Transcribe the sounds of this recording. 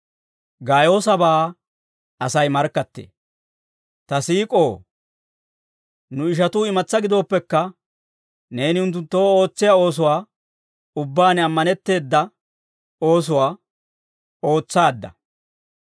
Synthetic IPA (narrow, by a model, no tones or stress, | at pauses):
ɡaːjo̞ːsɐbaː | ɐsɐjmɐɾkːɐt̪ːḛː | t̪ɐsiːkʼo̞ː | nʊɪʃ̬ɐt̪ʊːɪmɐt͡sːɐɡɪd̪o̞ːpːɛkːɐ | ne̞ːnɪʊnt̪̬ːʊnt̪ːo̞ːo̞ːt͡sːɪjao̞ːs̬ʊwaː | ʊbːaːnɐmːɐnɛt̪ːe̞ːd̪ːɐ | o̞ːs̬ʊwaː | o̞ːt͡sːaːd̪ːɐ̰